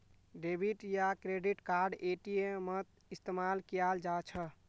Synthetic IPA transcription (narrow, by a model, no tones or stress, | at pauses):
ɖebʱiʈjakɾeɖiʈkaɾɖeʈijemət̪̚ | ist̪emalkijald͡ʒat͡ʃʰə